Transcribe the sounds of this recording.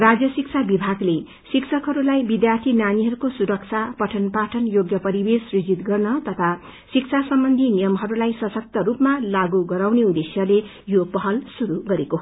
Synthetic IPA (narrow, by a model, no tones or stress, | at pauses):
rad͡zjʌsikt͡sʰabibʱaɡle | siksʰʌkɦʌɾulajbid̪jart̪ʰinaniɦʌɾukosuɾʌksʰapʌʈʰʌnpaʈʰʌnjoɡjʌpʌɾibesrid͡zit̪ɡʌrnʌt̪ʌt̪ʰa | siksʰasʌmbʌnd̪ʱinijʌmɦʌɾulajsʌsʌk̚t̪ʌɾupmalaɡuɡʌɾawneud̪esjʌle | jopʌɦʌlsuɾuɡʌɾeko